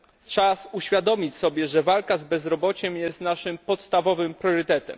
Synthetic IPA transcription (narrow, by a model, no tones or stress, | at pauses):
t͡ʂasuɕfʲjad̪ɔmʲit͡ɕsɔbʲjɛʐɛvalkazbɛzɾɔbɔt͡ɕɛmjɛst̪naʂɘmpɔt̪st̪avɔvɘmpɾʲjɔɾɘt̪ɛt̪ɛ̰m